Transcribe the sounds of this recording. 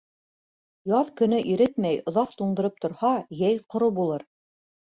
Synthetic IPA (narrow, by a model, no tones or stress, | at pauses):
jɑðkɵ̆nɘʔiɾɘt̪mæjŏðɑq̚t̪uɴd̪ɤ̆ɾɤp̚t̪ŏɾhɑjæjqŏɾɤbulˠɤɾ